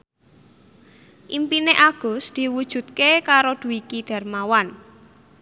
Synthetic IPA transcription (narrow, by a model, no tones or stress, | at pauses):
ʔimpineʔaɡ̥ɔ̤sd̪̥i̤wud̥ʒ̥ṳt̪̚kekaɾod̪̥ṳikiɖ̥a̤rmawan